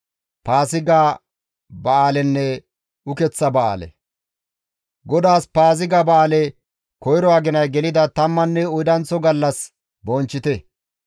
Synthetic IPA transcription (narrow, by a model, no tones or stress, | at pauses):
paːsɪɡaː | bɐaːlɛnːɛ | ʊkɛt͡sːɐbɐʔa̰ːlɛ̰ | ɡɔd̪aːspaːs̬ɪɡabɐaːlɛ | kɔjɾɔaːɡɪnɐjɡɛlɪd̪ɐt̪ɐmːɐnːɛʊjd̪ɐnt͡sːɔɡɐlːɐs | bɔnt͡ʃːɪt̪ɛ